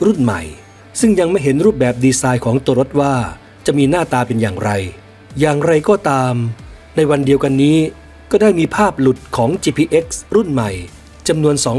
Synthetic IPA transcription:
ɾu˥˩nma̰˨˩j | sɯ˥˩ŋja˧ŋma˥˩jɦe˩˦nɾuː˥˩p̚bɛː˨˩p̚diː˧saː˧jkʰɔː˩˦ŋt̪o˧ɾo˦˥t̪̚waː˥˩ | t͡ɕa˨˩ʔmiː˧naː˥˩t̪aː˧pe˧njaː˨˩ŋɾa˧j | jaː˨˩ŋɾa˧jkɔː˥˩t̪aː˧m | na˧jwa˧ndi˧əwka˧nːiː˦˥ | kɔː˥˩daː˥˩jmiː˧pʰaː˥˩p̚lu˨˩t̪̚kʰɔː˩˦ŋt͡ɕiː˧pʰiː˧ʔe˦˥k̚sɾu˥˩nma˨˩j | t͡ɕa˧mnu˧ənsɔː˩˦ŋ

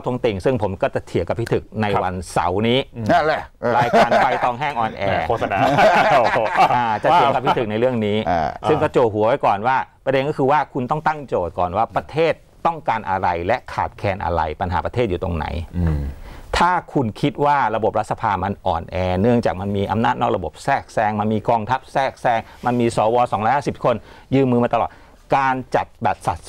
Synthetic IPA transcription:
t̪ʰu˧˦ŋt̪e˨˩ŋsɯ˥˩ŋpʰo˩˦mkɔː˥˩t͡ɕa˨˩t̪ʰi˨˩˦ka˨˩pʰːi˥t̪ʰɯ˨˩k̚na˧jwa˧nsa̰˩˦wniː˦˥˧ | aː˧jaː˧˩npa˧jt̪ɔː˧ŋɦɛː˥˩ŋʔɔː˨˩nʔɛː˧˥˧a˨˦ | aː˧˩t͡ɕa˨˩˨ka˨˩pʰːi˦˥˧t̪ʰɯ˩k̚na˧jɾɯ˥˩əŋniː˦˥˧sɯ˥˩ŋkɔ˥˩t͡ɕoː˨˩t̪̚ɦu˩˦ɐwa˦jkɔː˨˩nwaː˥˩pɾa˧de˧nkɔː˥˩kʰɯː˧waː˥˩kʰu˧nt̪ɔ˥˩ŋt̪a˥˩ŋt͡ɕoː˨˩t̪̚kɔː˨˩nwaː˥˩pɾa˧t̪ʰeː˥˩t̪ːɔ˥˩ŋkaː˧nʔa̰˧ɾa˧jlɛ˦˥kʰaː˨˩t̪̚kʰɛː˧nʔa̰˧ɾa̰˧jpa˧nɦa̰ː˩˦pɾa˧e˥˩juː˨˩t̪o̰˧ŋna̰˩˦j | t̪ʰaː˥˩kʰu˧nkʰi˦˥t̪̚waː˥˩ɾa˧bo˨˩p̚ɾt̪̚sʰa˧pʰaː˧ma˧nʔɔ̰ː˨˩nʔɛː˧nɯ˥˩əŋt͡ɕaː˨˩k̚ma˧nmiː˧ʔa˧mnaː˥˩t̪̚nɔː˥˩k̚ɾa˧bo˨˩p̚sɛː˥˩k̚sɛː˧ŋma˧nmiː˧kɔː˧ŋt̪ʰa˦˥p̚sɛː˥˩k̚sɛː˧ŋma˧nmiː˧sɔː˩˦wɔː˧sɔː˩˦ŋɾɔː˦˥haː˥˩si˨˩p̚kʰo˧n | jɯː˧mɯː˧maː˧t̪a˧lɔː˨˩t̪̚ | kaː˧nt͡ɕa˨˩t̪̚bɛː˨˩t̪̚sa̰˨˩t̪̚

